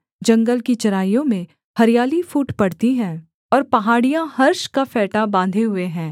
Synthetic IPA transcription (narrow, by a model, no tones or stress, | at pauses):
d͡ʒɐ̃ŋɡəlkit͡ʃɐɾaːjõmẽ | hɐɾijaːlifuːʈpɐɽt̪iɦɛ̃ː | ɔːɾpɐɦaːɽijãhɐɾʃkafɛːʈabãːnd̪ʱeɦʊeɦɛ̃ː